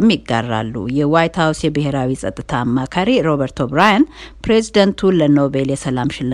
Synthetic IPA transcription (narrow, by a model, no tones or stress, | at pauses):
mːɪɡːa̰rːa̰lːṵjɛwajt̪hawsjɛbɨheɾawisʼət̪ʼːɨt̪ʰaːmːakʰaɾiɾo̞βəɾt̪ʰo̞bɾajanpɾe̞zid̪ənt̪ʰuləno̞be̞ljɛsəlamʃɪlː